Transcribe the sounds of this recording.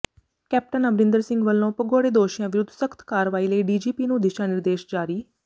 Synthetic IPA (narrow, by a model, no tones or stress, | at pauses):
kɛːp̚ʈənəbɾɪ̃nd̪əɾsɪ̃ŋɡʋəlːõːpəɡoːɽeːd̪oːʃijãːʋɪɾʊd̪ʱsəkʰt̪ʰkaːɾʋaːiːləiːɖiːd͡ʒiːpiːnũːd̪ɪʃaːnɪɾd̪eːʃd͡ʒaːɾiː